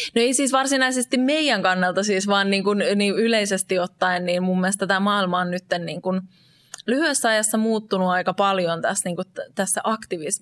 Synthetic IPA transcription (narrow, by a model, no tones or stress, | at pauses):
noeisiːsʋɑrsinɑisest̪immeijæŋkɑnːelt̪ɑsiːsʋɑːnniːŋkunniːyleisest̪iot̪ːɑinniːnmumːilest̪æt̪æmɑːilmɑonnyt̪ːenniːŋkun | lyhyesːæɑjɑsːɑmuːt̪ːunuɑikɑpɑljont̪æsniːŋkutt̪æsːæʔɑkt̪iʋism